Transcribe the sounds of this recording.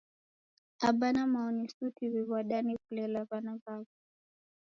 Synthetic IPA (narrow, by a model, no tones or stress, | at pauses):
aɓanamaɔnisutʰiβiβwaɗanikulɛlaβanavavu